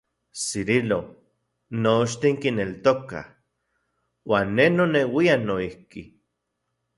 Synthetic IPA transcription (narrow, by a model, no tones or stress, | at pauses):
siɾilo | not͡ʃt̪iŋkinelt̪oka̰ | waːnːenonewianoihki